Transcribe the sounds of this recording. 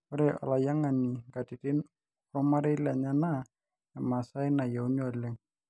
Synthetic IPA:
ɔɾɛʔɔ̰˨la˨ja˦ŋa˨ni˨ŋɡa˨ti˨tɪ˦n | kɔ˦ma˦ɾɛ˦la˨ɲa˦na | a˨ma˨sa˦jna˨ja˨u˦ɲɔ˦a˨lɛ˨ŋ

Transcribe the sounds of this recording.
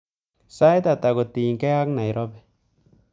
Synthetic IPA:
sa˦jta˨ta˨ɡo˨ti˨ŋ˨kɛ˦a˦kna˨jɾʔɔ˦bɛ˨

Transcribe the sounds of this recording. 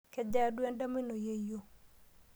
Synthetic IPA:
kɛ˨d͡ʒa˦dwɛ˦nda˦mi˦no˨je˨jo˨

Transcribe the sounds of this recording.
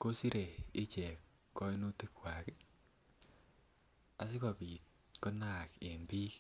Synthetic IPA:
ko˦si˦ɾe˨ɪ˦t͡ʃɛ˨ | kɔ˦i˦no˦ti˦kwa˨k | a˨sɪ˦kɔ˨pi˨ | ko˦na˦˨ke˨mbi˦k

